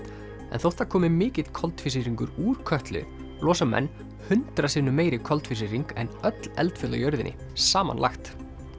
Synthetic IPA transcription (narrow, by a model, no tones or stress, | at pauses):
ɛ̰nθowht̪ʰːaɾkʰɔːmɪmɪːcɪt̪kʰɔlt̪fɪsiɾiŋkʏɾuːɾ̥kʰœht̪lɪ̰ | lɔːsamɛ̰nː | hʏnt̪ɾasiːnʏmeːjɾɪkʰɔlt̪fɪs̬iɾiŋkɛ̰nœt̪lɛ̰lt̪fɪla̰jœɾðɪ̰nʔɪ̰ | saːma̰nla̰xt̪